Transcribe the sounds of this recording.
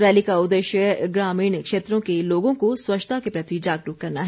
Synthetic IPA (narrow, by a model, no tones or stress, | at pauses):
ɾɛːlikaʊd̪əʃjəɡɾaːmiːɳkʃeːt̪ɾõkeloːɡõkoswɐt͡ʃt̪ʰakepɾɐt̪id͡ʒaːɡɾuːkɐɾnaɦɛ